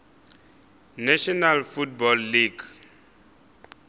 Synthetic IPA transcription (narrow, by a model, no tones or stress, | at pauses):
naʃɔnalfut̚bɔlːiɡ